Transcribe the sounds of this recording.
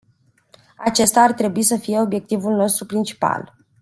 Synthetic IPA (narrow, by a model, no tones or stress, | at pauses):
at͡ʃe̞st̪aːrt̪ɾe̞buisəfije̞o̞bje̞k̚t̪ivulno̞st̪ɾupɾint͡ʃi̥pa̰l